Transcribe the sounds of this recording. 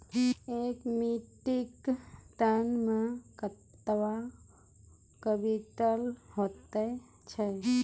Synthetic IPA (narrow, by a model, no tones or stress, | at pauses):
ekmiʈikt̪anmãkət̪ːʋa | kəbiʈəlɦot̪ə | t͡ʃʰe